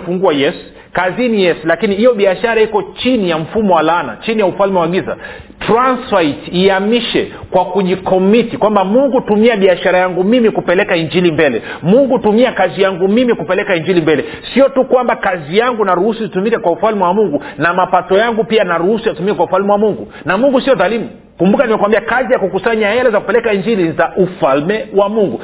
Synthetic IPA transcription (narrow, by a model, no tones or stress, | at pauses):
fuŋɡuajɛsu̥ | kazinijɛsulakinihijɔɓiaʃaɾaikɔt͡ʃinijam̩fumɔwalaːna̰t͡ʃinijaufalmɛwaɠiza̰ | tɾansfaitiamiʃɛ | kwakuʄikɔmitikwambamuŋɡutumiaɓiaʃaɾajaŋɡumimikupɛlɛkaiɲd͡ʒilimbɛlɛmuŋɡutumiakazijaŋɡumimikupɛlɛkaiɲd͡ʒilimbɛlɛ | siɔtukwambakazijaŋɡunaɾuhusuitumikakwaufalmɛwamuŋɡu | namapatɔjaŋɡupianaɾuhusujatumikakwaufalmɛwamuŋɡu | namuŋɡusiɔðalimu | kumbukanimɛkwambiakazijakukusaɲaɛlɛzaku̥pɛlɛkaiɲd͡ʒilizaʔufalmɛwamuŋɡu